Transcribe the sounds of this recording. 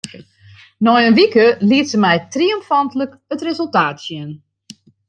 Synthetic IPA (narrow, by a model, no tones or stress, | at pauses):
nɔjənʋikəliətsəmɛjtriɔmfantələk | ətrezəlˠtaːtsjɪn